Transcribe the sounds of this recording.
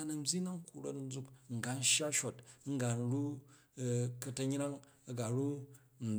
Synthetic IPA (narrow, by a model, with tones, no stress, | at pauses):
a˨nɐ˨m̩˦bʲi˦na˦ŋ˦ku˨ɾo˦tn̩˦d͡zu˦kŋ̩˨ɡa˨n̩˦ʃja˦ʃo˨t̚ŋ̩˦ɡa˨n̩˦ɾu˦˨ | kɐ˦tɐ˦ɲ˦ɾa˦ŋ | ɐ˨ɡa˨ɾu˦ | n̩˨